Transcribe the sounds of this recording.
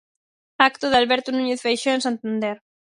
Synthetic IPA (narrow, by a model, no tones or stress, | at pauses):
akt̪oðɪalβɛɾt̪onuɲeθfejʃoẽnsant̪and̪ɛɾ